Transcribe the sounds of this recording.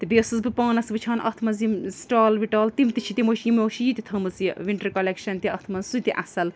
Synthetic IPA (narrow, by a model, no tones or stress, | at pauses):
t̪ibeːsɨzbɨpaːnɐsbɨt͡ʃʰaːnʔɐ̰t̪ʰmɐnzimsʈaːlʋiʈaːlt̪imt̪ɨt͡ʃʰit̪imoːʃiimʲoːʃijit̪it̪ʰɐmɨt͡siʋiɳʈɐɾkɐlekʃɐnt̪iɐt̪ʰmɐnzsut̪iʔɐsɐl